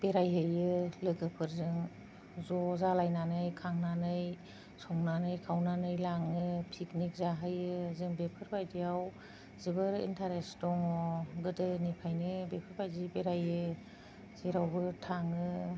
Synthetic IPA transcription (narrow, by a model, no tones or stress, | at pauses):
b̥eɾajɦɯjɯlɯɡɯpʰɯɾzɯŋ | zɔzalajnanɯjkʰaŋnanɯj | sɔŋnanɯjkʰawnanɯjlaŋɯpʰiknik̚zaɦɯjɯzɯŋbepʰɯɾbajdijaw | zibɯɾḭntʰaɾesdɔŋɔɡɯdɯnipʰajnɯbepʰɯɾbajdibeɾajɯ | z̥iɾawbɯtʰaŋɯ